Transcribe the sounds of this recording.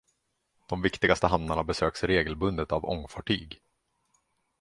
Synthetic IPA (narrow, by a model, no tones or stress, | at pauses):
d̪̥ɔmvɪkt̪ɪɡast̪əɦamd̪aɳabɛsøːksɾeːɡəlbɵnd̪ət̪avɔ̰ŋfɑʈʰy̰ːɡ